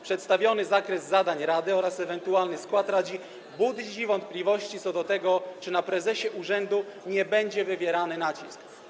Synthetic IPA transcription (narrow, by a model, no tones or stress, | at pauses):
pʂɛt̪st̪avʲjɔnɘzakɾɛzːad̪aɲɾad̪ɘɔɾasɛvɛnt̪ualnɘskwat̪ɾad͡ʑi | bud̪d͡ʑivɔnt̪̚plʲivɔɕt͡ɕit̪sɔd̪ɔt̪ɛɡɔt͡ʂɘnapɾɛzɛɕɛʔuʐɛnd̪uɲɛbɛɲd͡ʑɛvɘvʲjɛɾanɘnat͡ɕisk